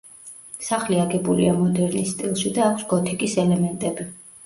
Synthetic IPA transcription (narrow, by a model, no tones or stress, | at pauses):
saχliaɡɛbulḭamɔd̪ɛɾnist̪ʼilˠʃid̪aːkʰsɡɔt̪ʰikʼisɛlɛmɛnt̪ʼɛbi